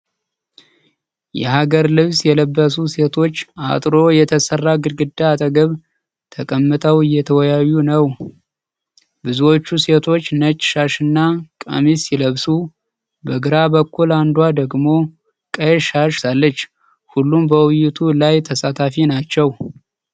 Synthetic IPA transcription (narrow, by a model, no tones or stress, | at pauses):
jɛ̰haɡəɾlɨβsjɛləbːəsuse̞t̪ʰo̞t͡ʃːa̰t̪ʼɾo̞jɛt̪ʰəsərːaɡɨɾɡɨd̪ːaːt̪ʼəɡəβ | t̪ʰəkʼəmːɨt̪ʰʼəwɨjːɛt̪ʰəwɔjajːunəw | bɨzuwo̞t͡ʃːuse̞t̪ʰo̞t͡ʃːnət͡ʃʼːʃaʃɨnːakʼə̰misɪləβsu | bəɡɨɾabəkːuland̪wad̪əɡmo̞ | kʼəʃaʃsalːət͡ʃː | hulːumbəwʊjːɪt̪ʰulajt̪ʰəsat̪ʰafinat͡ʃːɛw